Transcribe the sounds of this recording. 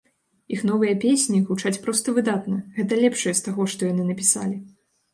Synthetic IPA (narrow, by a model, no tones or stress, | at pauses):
ixn̪ɔvɨjɐpʲesʲnʲiɣut͡ʂat͡sʲpɾɔst̪ɐvɨd̪at̪nɐɣɛt̪ɐlʲɛpʂɐjɛst̪aɣɔʂt̪ɔjanɨnɐpʲisa̰lʲi